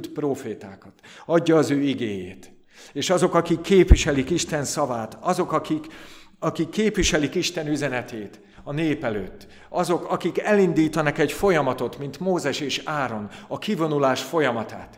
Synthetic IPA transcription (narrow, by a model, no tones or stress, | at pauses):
t̪proːfeːt̪a̰ːkɒt̪ɒɟːɒːzøːiɡeːjeːt̪ | eːʃɒzo̞kɒkikːeːpviʃɛlikiʃt̪ɛnsɒvaːt̪ɒzo̞kɒkikɒkikːeːpʋiʃɛlikiʃt̪ɛnyzɛnɛt̪eːt̪ | ɒneːpɛlø̰ːt̪ː | ɒzo̞kɒkikɛlind̪iːt̪ɒnɒkɛɟfo̞jɒmɒt̪o̞t̪mint̪moːzɛʃeːʃaːɾo̞nɒkivo̞nulaːʃfo̞jɒmɒt̪a̰ːt̪